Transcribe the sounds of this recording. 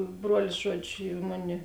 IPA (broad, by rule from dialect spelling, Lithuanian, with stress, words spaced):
ˈbruɔlʲɪs ˈʒuɔˌd͡ʒʲʊ ˈmʊˌnʲɪ